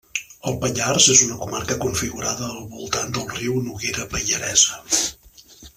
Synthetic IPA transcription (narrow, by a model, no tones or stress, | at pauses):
əlˠpəʎarzezunəkumarkəkuɱfiɣuɾaðəːlˠβulˠt̪and̪əlˠriwnuɣeɾəpəʎəɾɛzə